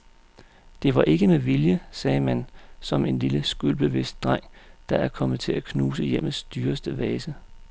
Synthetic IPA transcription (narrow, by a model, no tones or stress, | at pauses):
d̥e̝ʋɑ̈ʔe̝ɡ̥əmeʋiljəsɛːmænsɒ̽me̝nliləsɡ̥ylb̥e̝ʋe̝sd̥̚d̥ʁaŋ̰d̥ɑ̈æɐkʰɒ̽mð̩ˠt͡sʰe̝lækʰnuːsəjem̰ð̩sd̥yːɐsd̥əʋɛːsə